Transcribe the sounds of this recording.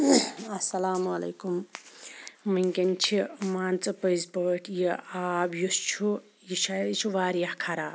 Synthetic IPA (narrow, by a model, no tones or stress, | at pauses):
ɐsɐlaːmɐlɐ̰ːkum | mɐŋkɐnt͡ʃʰimaːnt͡sɨpɐjzpəːʈʰjiaːbjust͡ʃʰu | jiʃat͡ʃʰuʋaːɾjahkʰɐɾa̰ːb̚